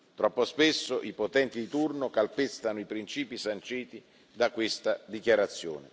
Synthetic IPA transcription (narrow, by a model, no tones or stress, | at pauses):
t̪ɾɔpːospesːoʔipot̪ɛnt̪id̪it̪urnokalpest̪anʊipɾint͡ʃiːpisant͡ʃiːt̪i | d̪akwest̪ad̪ikjaɾat̪sːjo̰ːnɪ̰